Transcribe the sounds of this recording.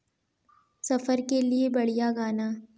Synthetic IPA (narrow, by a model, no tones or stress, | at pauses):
sɐfəɾkeliebɐɽijaɡaːnaː